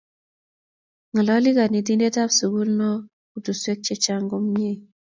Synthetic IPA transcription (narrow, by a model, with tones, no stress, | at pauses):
ŋə˨lɔ˦li˦ka˨ni˨t̬i˦nde˦ta˦bsu˨ɡu˦lnɔ˦ | ku˨tu˨swe˦k̚t͡ʃe˦t͡ʃa˦ŋɡɔ˦mi˦e˦˨